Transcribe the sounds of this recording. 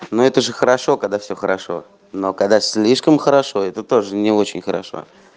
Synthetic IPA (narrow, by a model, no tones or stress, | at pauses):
noɛt̪əʐɨxəɾɐʂo̞kɐaɡ̚d̪afsʲɵxəɾɐʂo̞̰ | nokaɡ̚d̪asʲlʲiʂkəmxəɾɐʂo̞ɛt̪ət̪o̞ʐɨnʲɪot͡ɕɪnʲxəɾɐ̰ʂo̰